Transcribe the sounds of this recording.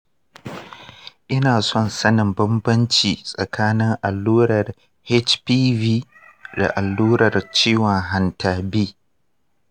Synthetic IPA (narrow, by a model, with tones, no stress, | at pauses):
ʔɪ˦naː˨sɔ˦˨nsɐ˦nɪ˨mbɐ˦mbɐ˦nt͡ʃiː˨sʼɐ˨kʰaː˦nɪ˦ŋʔa˨lːuː˦ɾɐ˨r | he˦t͡ʃpiː˦vi˦ | da̰˨ʔa˨lːuː˦ɾɐ˨rt͡ʃiː˦wɐ˨ŋɦa˨ntʰaː˨bi˦